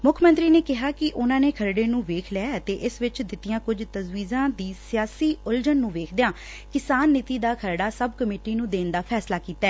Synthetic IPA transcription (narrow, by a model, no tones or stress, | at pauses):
mʊkʰmənt̪ɾiːneːkɪɦaːkɪʔʊnãːneːkʰəɾɖeːnũːʋeːkʰlɛaːət̪eːʔɪsʋɪt͡ʃd̪ɪt̪ːɪjãːkʊd͡ʒt̪əzʋiːzãːd̪iːsɪjaːsiːʊld͡ʒənːũːʋeːkʰd̪eãː | kɪsaːnːɪt̪iːd̪aːkʰəɾɽaːsəbkəmeːʈiːnũːd̪eːnd̪aːpʰɛːslaːkiːt̪ːɛː